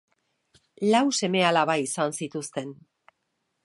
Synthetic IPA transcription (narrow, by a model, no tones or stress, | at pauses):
lawse̞me̞alaβaisansit̪ust̪e̞n